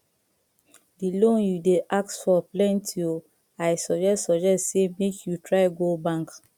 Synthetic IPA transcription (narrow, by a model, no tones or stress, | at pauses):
dilõnjudeʔak̚tfɔplɛ̃ntʰio | aɪsɔd͡ʒɛstsɔd͡ʒɛstsemekʰjutɹaɪɡobãŋk